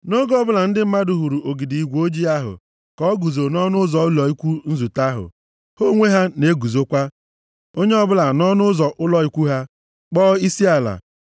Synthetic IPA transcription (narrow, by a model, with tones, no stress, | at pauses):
no˦ɡɔ˦˨bʊ˦la˨n̩˦dɪ˦m̩˦ma˦dʊ˨ɦu˨ɾu˨ʔo˨ɡi˨di˨i˨ɡʷo˦d͡ʒi˦a˦ɦʊ̰˨ | kɔ˨˦ɡu˨zo˨nɔ˦nʊ˦zɔ˨ʊ˦lɔ˨i˦kʷu˦n̩˦zu˨ta˦ɦʊ̰˨ | ho˦ŋʷe˦ɦa˦ne˦ɡu˨zo˦kʷa˦ | o˦ɲe˦ɔ˦bʊ˦la˨nɔ˦nʊ˦zɔ˨ʔʊ˦lɔ˦i˦kʷu˦ɦa˦ | k͡pɔː˦i˦si˦a˨la̰˨